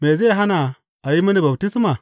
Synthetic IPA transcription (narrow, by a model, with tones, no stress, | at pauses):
me˨ze˦a˨ɦa˦na˨ | a˨ji˦ma˦ni˦ba˨bti˦sma˨